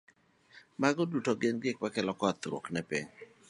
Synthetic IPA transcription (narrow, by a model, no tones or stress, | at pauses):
maɡɔdutɔɡɪnɡɪk̚pakɛlɔkɔt̪ɾo̰knɛpɪ̰ɲ